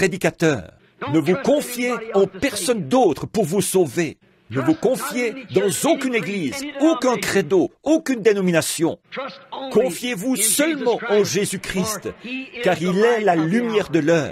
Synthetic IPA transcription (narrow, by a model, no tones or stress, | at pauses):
pχed̪ikat̪œ̰ːʁ | nəvukɔ̃fjeɑ̃pɛʁsɔnd̪ot̪χəpuʁvusove | nəvukɔ̃fjed̪ɑ̃zokʲyneɡliːzokɛ̃kχed̪ookʲynd̪enɔminasjɔ̃ | kɔ̃fjevusœlmɑ̃ɑ̃ʒezykχist̪kaʁilɛlalymjɛʁd̪əlœːʁ